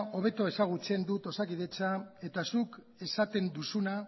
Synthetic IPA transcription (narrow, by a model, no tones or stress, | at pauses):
o̞β̞e̞t̪o̞e̞saɣ̞ut͡se̞nd̪ut̪o̞sakið̞e̞t͡sae̞t̪asuk | e̞sat̪e̞nd̪usuna